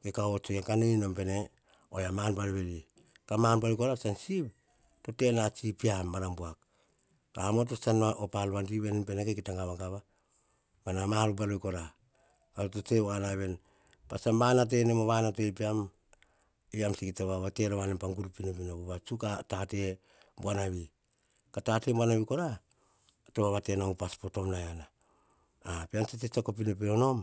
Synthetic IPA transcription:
kekaot͡ʃojaŋkanoinompe̞ne̞ | ojamanpalβeli | kamanpalojko̞ɾasansip | to̞te̞nat͡ʃipiamːaɾambuak | kaamot̬osanaʔopalβandiβe̞npe̞nekekitaŋɡaβaɡaβa | manamalubalojko̞ɾa | kaotot͡ʃeanaβe̞n | pasambanat̬e̞nemoβanatepiam | iamsikitaβaβateɾaβanempaŋɡuɾupinop̬inaβuβat͡ʃukatate̞ | buanaβi | katatembwanaβiko̞ɾa | toβaβatenaupaspo̞to̞mnajanaː | peant͡ʃetet͡ʃakop̬inop̬inono̞m

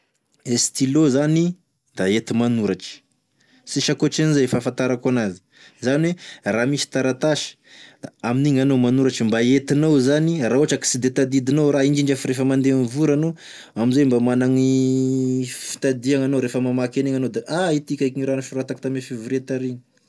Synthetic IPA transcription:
est̪ilozani | d̪̥aet̪imanuɾaʈ͡ʂə̥ | siʃakoʈ͡ʂanizejfafant̪aɾakanazi̥ | zanweramisi̥t̪aɾat̪aʃi̥aminiŋanomanuɾaʈ͡ʂimbaet̪inawzanirauaʈ͡ʂaki̥sid̪et̪ad̪id̪inowɾaind͡ʒiɳd͡ʒafiɾefəmand̪envuɾano | amizejmbamanaŋi | fi̥t̪ad̪iaŋanoɾefəmamakeneŋanod̪aʔait̪ikʲakiŋiɾanaʃuɾat̪ak̚t̪amefivuɾet̪aɾiɲi̥

